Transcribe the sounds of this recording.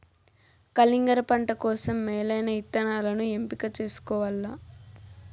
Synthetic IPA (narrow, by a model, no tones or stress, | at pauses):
kɐliŋɡɐɾɐpɐɳʈɐkɔːsɐmːɛːlɐjnɐit̪ːɐnaːlɐnue̞mpikɐt͡ʃe̞ːsu̥kɔːʋɐlːa